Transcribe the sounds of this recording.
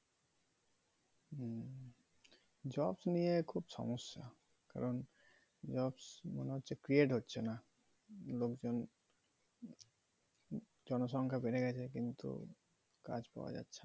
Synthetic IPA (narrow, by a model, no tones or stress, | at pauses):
d͡ʑɔbsnijekʰubʃɔ̰mosːa̰ | ka̰ɾɔn | d͡ʑɔbsmo̰neɦotːɕʰekɾieʈɦotːɕʰena | lokd͡ʑon | d͡ʑɔnoʃɔŋkʰabeɾeɡɛt͡ɕʰekint̪ṵ | ka̰d͡ʑpa̰wa̰d͡ʑa̰tːɕʰe̥a